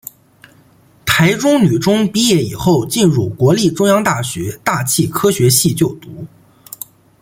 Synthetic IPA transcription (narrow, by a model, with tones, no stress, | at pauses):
t̪ʰa˧˥ɪʈ͡ʂʊ˥ŋny˨˩ʈ͡ʂʊ˥ŋpi˥jɛ˥˩i˨˩xo˥˧ʊt͡ɕi˥˧nɻu˥˩kwɔ˧˥li˥˩ʈ͡ʂʊ˥ŋjɑ˥ŋt̪a˥˩ɕɥɛ˧˥t̪a˥˧t͡ɕʰi˥˩kʰɤ˥ɕɥɛ˧˥ɕi˥˧t͡ɕjo˥˩ʊt̪u˧˥